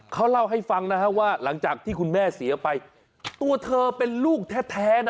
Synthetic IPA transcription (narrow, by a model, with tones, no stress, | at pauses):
kʰa˦˥wla˥˩wɦa˥˩jfa˧ŋna˦˥kʰa˦˥waː˥˩la˩˦ŋt͡ɕaː˨˩k̚t̪ʰiː˥˩kʰu˧nmɛː˥˩si˩˦ɐpa˧j | t̪u˧ɐt̪ʰɤː˧pe˧nluː˥˩k̚t̪ʰɛː˦˥t̪ʰːɛː˦˥n˦˥